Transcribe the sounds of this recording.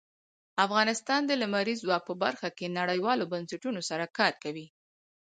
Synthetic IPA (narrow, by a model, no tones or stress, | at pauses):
afɣɑnɪst̪ɑnd̪əlamaɾizwɑk̚pəbaɾxakenaɽəjwɑlobansaʈunosaɾakɑɾkawi